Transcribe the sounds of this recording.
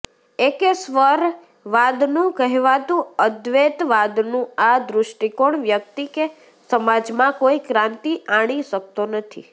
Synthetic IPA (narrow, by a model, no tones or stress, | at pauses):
ekesʋəɾ | ʋad̪nũkəɦɛʋat̪ũəd̪ʋet̪ʋad̪nũad̪ɾʊʃʈikoɳʋjək̚t̪ike | səmad͡ʒmãkoikɾãnt̪iaɽ̃iʃək̚t̪onət̪ʰḭ